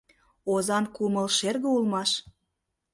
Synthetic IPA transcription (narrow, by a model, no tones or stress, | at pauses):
ozɑnkuməlʃerɣəulmɑʃ